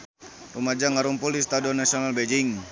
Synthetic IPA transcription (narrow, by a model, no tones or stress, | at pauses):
rumad͡ʒaŋaɾumpulist̪adiɔnasionalbed͡ʒɪŋ